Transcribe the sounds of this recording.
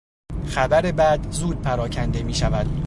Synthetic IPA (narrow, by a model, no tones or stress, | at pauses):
xæbæɾe̞bæd̪zuːd̪̚pʰæɾɒːcʰænd̪e̞miːʃævæd̪̥